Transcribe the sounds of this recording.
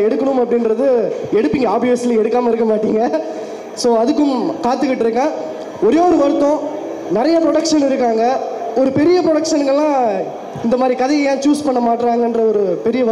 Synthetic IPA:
ɛɽɯkːɐɳɯmɐpːɐɽɪnɾɐðɯɛɽɯpːiŋɡɐaːbiɛsɪlɐɛɽɯkːaːmɐɪɾɯkːɐmaːʈːiːŋɡɐ | soːɐðɯkːɯmkaːt̪ːɯkːɪʈːɪɾɯkːãː | ɔɾeːɔɾɯʋɐɾɯt̪ːõː | nɪɾɐjɐpɾɔɽɐkʂɐnɪɾɯkːaːŋɡɐɔɾɯpɛɾɪjɐpɾɔɽɐkʂɐnɡɐɭːãː | ɪnd̪ɐmaːd̪ɾikɐðɐjɐjãːt͡ʃuːspɐɳːɐmaːʈːɾaːŋɡɐɛndrɐɔɾɯpɛɾɪjɐʋɐ

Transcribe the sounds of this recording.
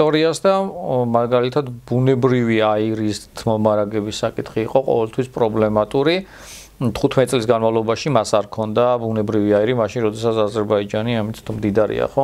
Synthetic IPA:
t̪ʼɔɾiasd̪amaɡalit̪ʰad̪bunɛbɾiviaiɾist̪ʰmɔmaɾaɡɛbisːakʼit̪ʰχiːqʼɔqʼɔ̰vɛlt̪ʰwispʼɾɔblɛmat̪ʼuɾi | t̪ʰχut̪ʰmɛt̪isʼlisɡanmavlˠɔbaʃimasaɾkʰɔnd̪abunɛbɾiviaiɾimaʃinɾɔd̪ɛsat̪sʰazɛɾbaid͡ʒaniamit̪ʰmd̪id̪aɾḭa̰χɔ

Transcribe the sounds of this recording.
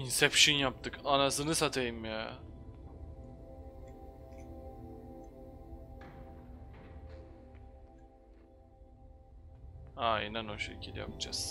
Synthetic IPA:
insɛpʃinjap̚t̪ʰɯkʰanasɯnɯsat̪ʰajɯmja | ainano̞ʃḛcʰilʲja̰pd͡ʒa̰s

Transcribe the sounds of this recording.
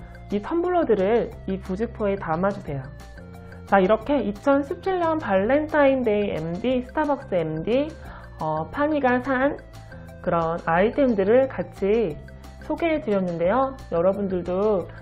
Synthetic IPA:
itʰʌmbuɭːʌdɯɾɯɾipud͡ʑik̚pʰoe̞tamad͡ʑusʰe̞jo | t͡ɕaiɾʌkʰe̞it͡ɕʰʌnɕʰip̚t͡ɕʰiɭɲʌnpaɭːentʰainde̞iḛmdisʰɯ̥tʰabak̚s͈ɯe̞mdi | ʌpʰaɲiɡasʰan | kɯɾʌnaitʰendɯɾɯɭkat͡ɕʰi | sʰoɡe̞tɯɾjʌnːɯnde̞jojʌɾʌbundɯɭdo

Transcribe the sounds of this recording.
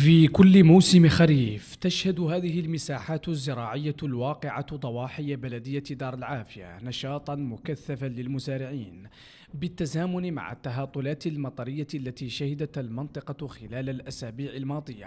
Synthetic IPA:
fiːkʊlːɪmawsɪmxaɾiːft̪aʃhad̪ʊhaːðɪhɪlmɪsaːħaːt̪ʊzːɪɾˤɑːʕɪjːalwɑːqɪʕad̪ˤɑwɑːħɪjːabalad̪ɪjːad̪ɑːɾˤalʕaːfɪja̰nɑʃɑːt̪ˤɑnmʊkaθːafanlɪlmʊzaːɾɪʕiːn | bɪt̪ːazaːmʊnma̰ʕa̰t̪ːaɦɑːt̪ˤːʊlaːt̪lmɑt̪ˤɑɾɪjːalːat̪iːʃahɪd̪at̪almɪnt̪ˤɨqɑxɪlaːlalʔasaːbiːʕɪlmɑːd̪ˤɨjːa̰

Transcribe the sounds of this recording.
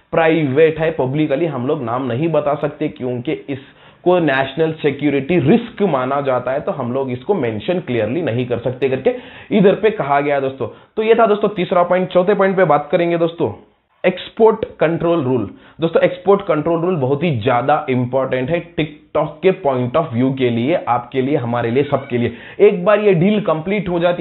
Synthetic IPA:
pɾaːɪʋeːʈɦɛpɐblɪkəliɦɐmloːɡnaːmnɐɦĩbɐt̪asɐk̚t̪ekjõːkiɪs | konɛːʃnəlsekjuːɾɪʈiɾɪskmaːnad͡ʒaːt̪aɦɛt̪oɦɐmloːɡɪskomɛ̃ːnʃə̃nklijəɾlinɐɦĩkɐɾsɐkt̪eɐɡɐɾkeiːd̪əɾpekɐɦaɡɐjad̪oːst̪õːt̪ojet̪ʰad̪oːst̪õt̪iːsɾapɔ̃ːɪ̃ɳʈt͡ʃɔːt̪ʰepɔːɪ̃ɳʈpebaːt̪̚kɐɾẽːŋɡed̪oːst̪õ̰ | eːkspoːɾʈkɐ̃ɳʈɾoːlɾuːl | d̪oːst̪õekspoːɾʈkɐ̃ɳʈɾoːlɾuːlbɐɦʊt̪ɦizjaːd̪aʔɪ̃mpɔːɾʈə̃ɳʈɦɛʈɪkʈɔːkːepɔ̃ːɪ̃ɳʈɔːfʋjuːk̬elieʔaːpkelieɦɐmaːɾeliesɐb̚kelie | eːk̚baːɾjeɖiːlkɐ̃mpliːʈɦod͡ʒaːt̪i

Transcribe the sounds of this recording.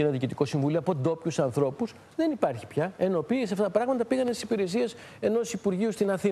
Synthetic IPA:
enðiːcit̪iko̞siɱvulioɐpo̞d̪o̞pçusɐnθɾo̞pus | ðe̞nipɐɾçi̥pçɐe̞no̞piːsɐft̪ɐt̪ɐpɾɐɣmɐt̪ɐpiɣɐnest̪i̥si̥piɾe̞sies | e̞no̞sipuɾʝiust̪inɐθi

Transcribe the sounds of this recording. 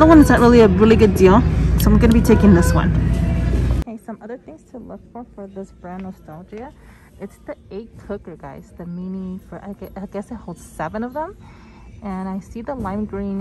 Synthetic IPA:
ðəwʌ̃nɨtzðɨt̚ʔ̚ɹɪlˠiɨɹɪlˠiɡʊdilˠsoʊãɪ̃mɡʌnəbitʰeɪkɪ̃ŋðɪswʌ̰̃n | eɪsʌ̃mʌðə˞θɪ̃ŋz̥tʰəlʊkfə˞fə˞ðɪsb̥ɹæ̃nːɑstalˠd͡ʒiɨ | ʔɨtsðieɪkʰʊkə˞ɡaɪz̥ðɨminifə˞ʔa̰ɪɛaɪɡɛsɨt̚hoʊlˠd̥z̥sɛvɨ̃nʌvðə̃m | ɨ̃naɪsiðəlãɪ̃mɡɹĩn

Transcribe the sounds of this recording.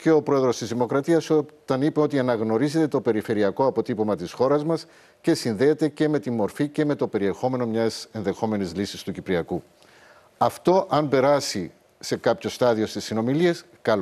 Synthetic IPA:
ce̞o̞pɾo̞eðɾost̪izðimo̞kɾɐt̪iɐsot̪ɐnipe̞o̞t̪iɐnɐɣno̞ɾize̞t̪e̞t̪o̞pe̞ɾife̞ɾiɐko̞ɐpo̞t̪ipomɐt̪isxo̞ɾɐzmɐs | ce̞sinðe̞ːt̪e̞ce̞me̞t̪immːo̞ɾfice̞me̞t̪o̞pe̞ɾie̞xo̞me̞no̞mɲɐse̞nðe̞xo̞me̞nizlisist̪ucipɾiɐku | ɐft̪o̞ʔɐmbe̞ɾɐsi | se̞kɐpço̞st̪ɐðio̞st̪isːino̞milie̞s | kɐl

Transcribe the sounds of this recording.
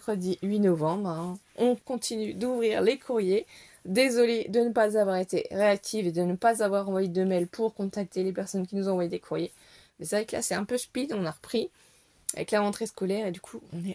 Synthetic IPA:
ɛkχəd̪iɥinɔvɑ̃bʁɛ̃ | ɔ̃kɔ̃t̪ʰinyd̪uvʁiʁlekʰuʁje | d̪ezɔled̪ənəpazavwaʁet̪eʁeak̚t̪ʰived̪ənəpazavwaʁɑ̃vwajed̪əmɛlpʰuʁkɔ̃t̪ak̚t̪elepɛʁsɔnkʲinuzɑ̃vwajed̪ekʰuʁje | mɛsavɛkla̰sɛɛ̃pøʃpid̪ɔ̃naʁəpχi | a̰vɛ̰klaʁɑ̃t̪χeskɔlɛʁed̪ykʰuɔ̃nɛ

